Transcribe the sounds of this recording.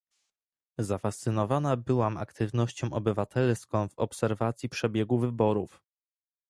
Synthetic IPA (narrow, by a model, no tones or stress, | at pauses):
zafast̪sɘnɔvanabɘwama̰kt̪ɘvnɔɕt͡ɕɔ̃w̃ʔɔbɘvat̪ʰɛlskɔ̃w̃vɔpsɛɾvat̪sʲjipʂɛbʲjɛɡuvɘbɔɾuf